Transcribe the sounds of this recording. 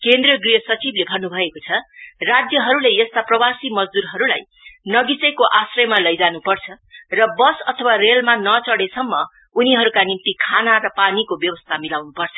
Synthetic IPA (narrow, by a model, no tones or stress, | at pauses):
kend̪riʌɡrijʌsʌt͡siblebʱʌnːubʱʌekot͡sʰʌrad͡zjʌɦʌɾulejʌst̪aprʌwasimʌd͡zd̪uɾɦʌɾula̰j | nʌɡit͡sʌjkoʔasrʌjmalʌjd͡zanupʌrt͡sʰʌ | rʌbʌsʌt̪ʰʌwarelmanʌt͡sʌɽesʌmːʌ | uniɦʌɾukanimt̪ikʰanaɾʌpanikobjʌwʌst̪ʰamilawnupʌrt͡sʰʌ̥